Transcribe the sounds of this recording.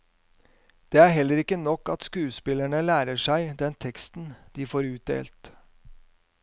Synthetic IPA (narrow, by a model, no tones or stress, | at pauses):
d̪̥eːæɾɦɛlːəɾɪkːənɔkːɑt̪skʉːspɪlæɳəlæːɾəʂæɪd̪ɛnt̪ʰɛkst̪n̩d̪̥iːfoːɾʉːt̪̚d̪ḛːlt̪